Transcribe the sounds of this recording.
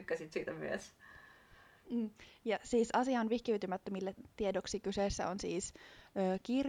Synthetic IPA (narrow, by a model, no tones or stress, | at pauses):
kːæsit̪siːt̪æmy̰ḛs | jɑsiːsɑsiɑnʋihkiyt̪ymæt̪ːømilːeiedoksiːkyseˑsːæ̰onsiːsøːkir